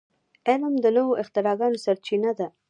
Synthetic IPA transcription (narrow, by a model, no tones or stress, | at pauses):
eləmd̪ənəwoʔɪxt̪ɪɾɑɡɑnosaɾt͡ʃinad̪a